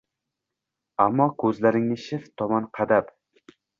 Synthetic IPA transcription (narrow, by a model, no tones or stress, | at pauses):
amːɒkʰɵzlaɾɪŋnɪʃɪft̪ʰɒmɒnqʰɑd̪ap